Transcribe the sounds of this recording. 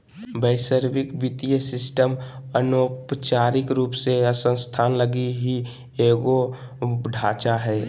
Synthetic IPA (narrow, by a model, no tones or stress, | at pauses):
bəɪsəɾbɪkbit̪ijəsɪsʈəmənopt͡ʃaːɾɪkɾuːpseəsə̃st̪ʰaːnləɡiɦi | eːɡo | ɖʱaːt͡ʃaɦɛː